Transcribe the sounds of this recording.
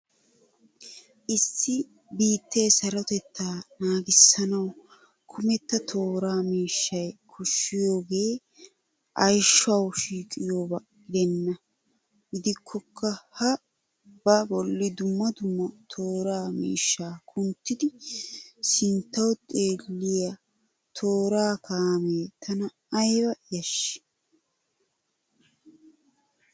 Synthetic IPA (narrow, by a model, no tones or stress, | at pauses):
ʔɪsːɪ | biːt̪ːeːsɐɾɔt̪ɛt̪ːaːnaːɡɪsːɐnɐw | kʰʊmɛt̪ːɐt̪ʰo̞ːɾaːmiːʃːɐjkʰʊʃːɪjo̞ːɡe̞ː | ʔɐjʃːɐwʃiːkʼɪjo̞ːbɐ | ɡɪd̪ɛnːɐ | ɡɪd̪ɪkʰːɔkʰːɐhɐ | bɐbɔlːɪd̪ʊmːɐd̪ʊmːɐt̪ʰo̞ːɾaːmḭːʃːaːkʰʊnt̪ːɪd̪ɪ | sɪnt̪ːɐwt̪ʼe̞ːlːɪjɐ | t̪ʰo̞ːɾaːkʰaːmeːt̪ʰɐnɐː | jwɐjɐʃɪ̥